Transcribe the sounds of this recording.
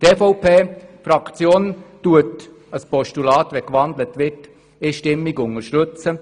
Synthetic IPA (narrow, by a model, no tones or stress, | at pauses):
t̪ɛfɔwpʰeːfɾɑkt͡sjoːntuət | əspɔʃtulɑːtʋɛkʋɑnd̪lətʋɪt | ɪʃtɪmːiɡʊŋəɾʃtɵt͡sə